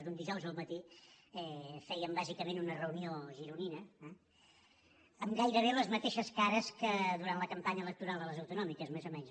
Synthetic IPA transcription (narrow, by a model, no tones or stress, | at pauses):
zðund̪iʒɔwzəlˠmət̪iɛfɛjəmbazikəmẽnunərəunioʒiɾuninəɛ | əmɡajɾəβ̞eləzmət̪eʃəskaɾəskəðuɾant̪ləkəmpaɲələk̚t̪uɾalˠd̪ələzəwt̪unɔmikəzmezomɛnz